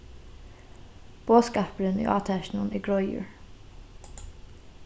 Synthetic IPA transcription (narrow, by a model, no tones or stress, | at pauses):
b̥oːskɑːpɾənḭːʔɑ̰ːt̪ʰæːʃnəniːɡɹɔʏʊ̰ɹ